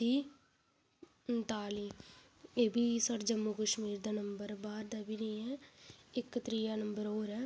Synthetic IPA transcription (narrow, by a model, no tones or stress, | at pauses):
iː | nt̪aːliː | eːbʱiːsəɾd͡ʒəmːukəʃmiːɾd̪aːnəmbəɾbaːɾd̪aːbʱiːnəĩːɛːɪkt̪ɾiːaːnəmbəɾoːɾɛː